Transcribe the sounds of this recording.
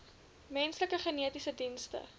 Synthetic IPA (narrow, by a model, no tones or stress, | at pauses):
mɛnsləkəχəniətisədinstə̰